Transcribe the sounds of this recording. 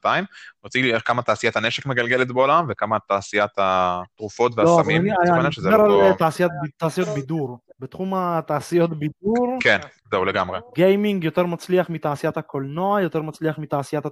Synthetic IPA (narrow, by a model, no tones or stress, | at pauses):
t̪aimot͡silieχkamat̪aːsijat̪haneʃekme̞ɡalɡelet̪beo̞lamvekamat̪aːsijat̪at̪ʁufo̞t̪vealosavmaamniajaaʃezeeɾaltaːsijat̪̚bit̪ːaːsijo̞t̪biduʁbet̪χumat̪aːsijo̞t̪bid̪uʁken | zeuleɡamʁeɡejmiŋɡjo̞t̪e̞ʁmat͡sliaχmit̪aːsijat̪hako̞lnoajot̪e̞ʁmat͡sliaχmit̪aːsijat̪ha